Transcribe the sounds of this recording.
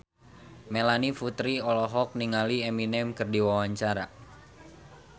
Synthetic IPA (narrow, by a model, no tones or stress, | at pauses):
melanifut̪ɾiɔlɔɦɔk̚niŋalieminɛmkɨrdiwawaɲt͡ʃaɾa